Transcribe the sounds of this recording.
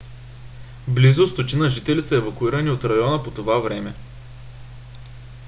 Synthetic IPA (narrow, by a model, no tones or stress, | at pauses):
blizʊst̪ot̪ʲinəʒit̪ɛlisəɛvɐkuiɾəniot̪ɾɐjɔnəpot̪ovavɾɛmɛ